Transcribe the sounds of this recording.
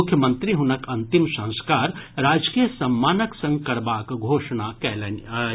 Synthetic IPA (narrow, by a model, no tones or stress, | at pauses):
ʊkʰjəmənt̪ɾiɦunəkɐnt̪imsɐ̃ñskaːɾɾaːd͡ʒkijəsɐmːaːnəksə̃ŋɡkɐɾbaːkɡʱoʃnakɛlən